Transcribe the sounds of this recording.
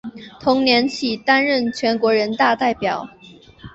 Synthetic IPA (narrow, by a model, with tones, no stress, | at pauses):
t̪ʰʊ˧˥ŋnjɛ˧˥nt͡ɕʰi˨˩t̪a˥nɻə˥˩nt͡ɕʰɥɛ˧˥nkwɔ˧˥ɻə˧˥nt̪a˥˧t̪a˥˩ɪpjɑ˨˩˦ʊ